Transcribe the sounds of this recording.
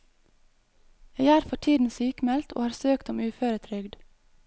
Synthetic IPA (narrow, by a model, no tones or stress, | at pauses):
jeːɪæːɾfɔʈʰiːd̪n̩syːkmɛlt̪ʰo̰ːhɑːɾsøːkt̪ɔmʉːføːɾət̪ʰɾʏɡd̪